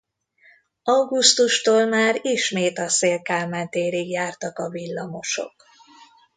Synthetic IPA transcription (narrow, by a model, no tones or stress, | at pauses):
ɒwɡust̪uʃt̪oːlmaːɾiʃmeːt̪ɒseːlkaːlmɛnt̪eːɾiɡjaːrt̪ɒkɒvilːɒmo̞ʃo̞̰k